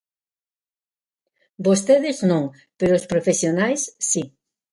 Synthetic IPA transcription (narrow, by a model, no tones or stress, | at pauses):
bost̪eðɪznõŋ | peɾoːspɾofesjonajsːi